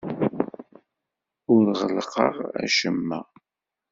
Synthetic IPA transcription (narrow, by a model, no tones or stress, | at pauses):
ʊɾʁəlqə̰ʁæ̰ʃəmːæ̰